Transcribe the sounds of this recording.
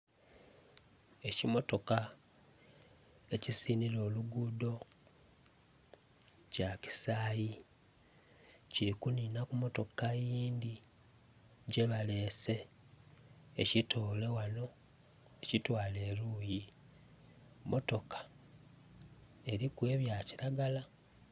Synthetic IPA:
e̞cimo̞to̞ka | e̞cisinilo̞ːluɡudo̞ | caci̥saːji | ciɾikuniːnakumo̞to̞kajiːnd̪i | ɟeβale̞ːse̞ | citʰoːle̞wano̞ | ecitwaːle̞ːɾuːji | mʔo̞to̞kḁ | e̞ɾikwe̞ːβjaciɾaɡala

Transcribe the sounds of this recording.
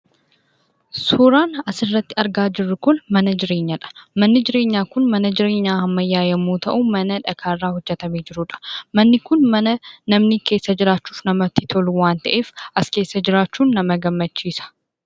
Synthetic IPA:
suːɾaːnɐsɪrːɐt̪ːɪɐɾɡaːd͡ʒɪrːʊkʊnmɐnɐd͡ʒɪɾe̞ːɲːɐᶑɐ̥mɐnːɪd͡ʒɪɾe̞ːɲːaːkʊnmɐnɐd͡ʒɪɾe̞ːɲːaːhɐmːɐjːaːjɐmuːt̪ɐʔʊmɐnɐᶑɐkʰaːrːaːhɔd͡ʒːɛt̪ɐmeːd͡ʒɪɾʊᶑɐ̥mɐnːɪkʊnmɐnɐnɐmniːke̞ːsːɐd͡ʒɪɾaːt͡ʃːu̥ːfnɐmɐt̪ːɪt̪ʰɔluwaːnt̪ɐʔe̞ːfʔɐske̞ːsːɐd͡ʒɪɾaːt͡ʃːuːnːɐmɐɡɐmːɐt͡ʃːiːsɐ̥

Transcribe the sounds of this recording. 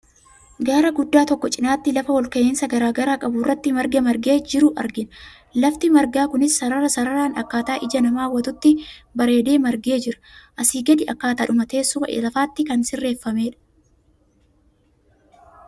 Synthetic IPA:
ɡaːɾɐɡʊd̪ːaːt̪ɔkːɔt͡ʃʼɪnaːt̪ːɪlɐfɐwɔlkɐʔeːnsɐɡɐɾaːɡɐɾaːkʼɐbʊrːɐt̪ːɪmɐɾɡɐmɐɾɡe̞ːd͡ʒɪɾʊʔɐ̰ɾɡɪnɐ | lɐft̪ɪmɐɾɡaːkʊnɪsːɐɾɐɾɐsɐɾɐɾaːnɐkːaːt̪aːʔɪd͡ʒɐnɐmaːwɐt̪ʊt̪ːɪbɐɾe̞ːd̪e̞ːmɐɾɡe̞ːd͡ʒɪɾɐ̥ʔɐsiːɡɐd̪ɪʔɐkːaːt̪ɐːᶑʊmɐt̪e̞ːsʊbɐ̰ʔḛlɐfaːt̪ːɪkɐnsɪrːe̞ːfːɐmeːᶑɐ̥

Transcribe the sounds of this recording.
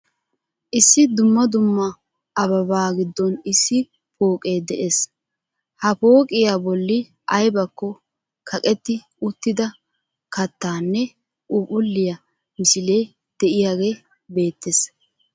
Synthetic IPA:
ʔɪsːɪd̪ʊmːɐd̪ʊmːɐ | ɐβɐβaːɡɪd̪ːɔnɪsːɪ | pʰo̞ːkʼe̞ːd̪ɛʔe̞s | hɐpo̞ːkʼɪjaːbɔlːɪ | ʔɐjbɐkːɔ | kʰɐkʼɛt̪ːɪ | ʊt̪ːɪd̪ɐ | kɐt̪ːaːnːɛ | ʔʊpʼʊlːɪjɐ | mɪsɪle̞ː | d̪̥ɛʔɪjaːɡeː | be̞ːt̪ːes

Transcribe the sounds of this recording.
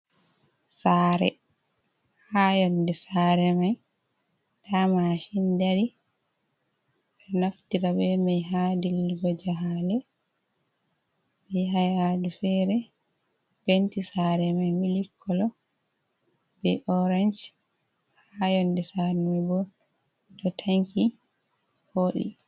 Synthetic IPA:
saːɾɛ̰ | hajɔndɛsaːɾɛmaj | d̥amaʃindaɾi | ɛnaftiɾabɛmɛjɦadilɡɔd͡ʒaɦalɛ | bɛɦajadufɛɾɛ | bentisaɾɛmajmilikʰːɔlɔ | bɛʔɔɾand͡ʒ | hajɔndɛsaɾɛmabɔ | dɔtʰaŋki | hoːɗḭ

